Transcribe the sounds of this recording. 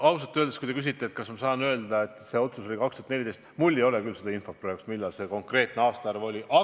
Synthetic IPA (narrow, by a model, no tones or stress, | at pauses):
ɑws̬ɑt̪ːøld̪eskujt̪ekysit̪ːˑet̪̚kɑsmɑsɑːnø̞ːld̪̥ɑe̞t̪ˑse̞o̞t̪suso̞lʲikɑkst̪uhɑt̪ne̞lid̪ejst̪mulʲːejo̞lekylsed̪ɑinfo̞pːrojksmilːɑlse̞ko̞ŋkre̞ːt̪ˑneɑːst̪ɑærvo̞lʲiʔɑ